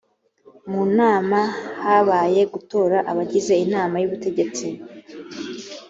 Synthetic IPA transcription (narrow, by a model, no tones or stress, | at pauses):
munaːmahaːβaːje̞ɡuto̞ːɾaʔaβaɟize̞inaːmajuβute̞ɟe̞t͡si